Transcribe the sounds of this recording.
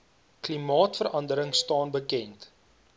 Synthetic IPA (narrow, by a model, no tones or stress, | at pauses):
klimɑːtfəɾɐndəɾəŋstɑːnbəkɛnt